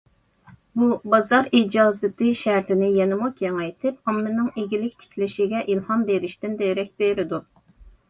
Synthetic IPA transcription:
bubɑzɑɾid͡ʒɑːzɨt̪ʰɨʃæɾt̪ʰɪnɪjɛnɪmukjɛŋɛjt̪ʰɪpɑmːɪnɪŋeɡʲilɪkʲt̪ʰɪ̥kʲʰlɪʃiɡʲɛʔilhɑnbeɾɪʃt̪ɪnd̪ejɾɛkʲbeɾɪd̪u

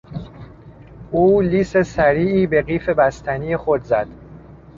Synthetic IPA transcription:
ʔuːliːsesæɾiːʔiːbe̞ɢiːfe̞bæst̪ʰænijexod̪zæd̪̥

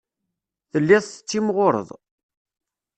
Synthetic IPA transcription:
θəlːɪðˤθət͡sːimʁoɾə̰ðˤ

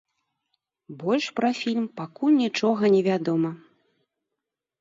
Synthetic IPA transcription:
bɔlʲʂpɾɐfʲilʲmpakulʲnʲit͡ʂɔɣɐnʲɛvʲad̪ɔmɐ

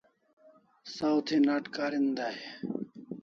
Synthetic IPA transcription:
sawt̪ʰeːnaːʈkaːɾind̪aːɦeː

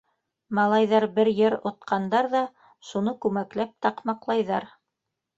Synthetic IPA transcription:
mɑlˠɑjðɑɾbɘɾjɘɾŏt̪̚qʰɑnd̪ɑɾðɑ | ʃunɤkʉmæklæp̚t̪ɑqmɑqlˠɑjðɑɾ

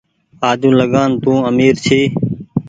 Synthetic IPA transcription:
aːd̪ʱũːləɠaːnt̪ũːəmiːɾt͡ʃʰiː

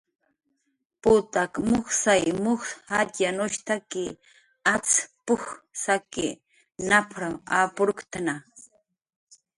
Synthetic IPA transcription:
pʊt̪akmʊxsajmʊxatanoʃt̪akɪ | at͡spʊxsakɪ | napʰɾaapʊɾʊkt̪ana

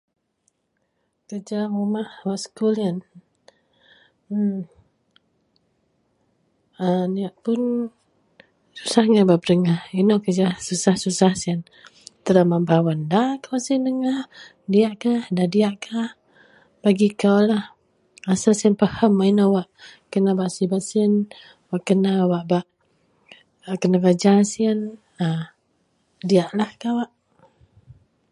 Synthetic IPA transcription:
kəd͡ʒamumahwaʔsə̥kulian | əniaʔpʊn | su̥sahŋababədəŋahinokəd͡ʒasusahsusahsian | t̪əlamambawandakawasindəŋah | diaʔkahdadiaʔkʰah | baɡikawlah | asasiənpəhəmainowaʔkənabaʔsibat̪siən | waʔkənawaʔbaʔ | kənakad͡ʒasiən | ə | diaʔlahkawaʔ

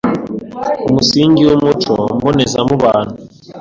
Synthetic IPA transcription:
umusiːŋɡiwomut͡ʃombonezamuβaːnu

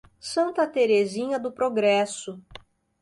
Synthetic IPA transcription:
sɐ̃nt̪ɐt̪eɾezĩɲɐd̪ʊpɾoɡɾɛsʊ

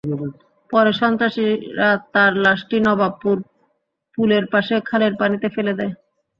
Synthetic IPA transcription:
pɔɾeʃɔnt̪ɾaʃiɾat̪aɾlaʃʈinɔbapːuɾ | puleɾpaʃekʰaleɾpanit̪efeled̪ɛe

